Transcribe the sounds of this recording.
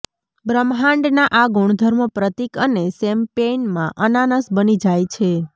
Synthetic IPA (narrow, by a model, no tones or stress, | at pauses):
bɾəmɦãɳɖnaʔaɡuɳ̃d̪ʱəɾməpɾət̪ikənesɛmpenmã̰ʔənanəsbənid͡ʒajt͡ʃʰe